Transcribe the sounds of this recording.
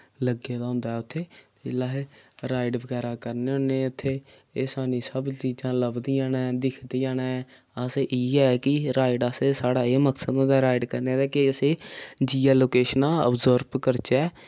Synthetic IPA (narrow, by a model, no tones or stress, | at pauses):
ləɡãːd̪aːɦõːnd̪aːɛːʊt̪ʰːeːt̪ːlaːɦeɾaːɪɖʋəɡɛːɾaːkəɾneːʊ̃ːneːʊt̪ʰːeː | eːsaːnĩːsəbt͡ʃiːd͡ʒãːləbd̪iːãːnɛːd̪ɪkʰd̪iːãːñɛ | əseʔiːɛːkɪɾaːɪɖasesaːɽaːeːməksəd̪ãːd̪aːɾaːɪɖkəɾneaːd̪aːkɪəsẽːd͡ʒiːaːloːkeːʃənãːə̰bzoːɾbkəɾt͡ʃɛː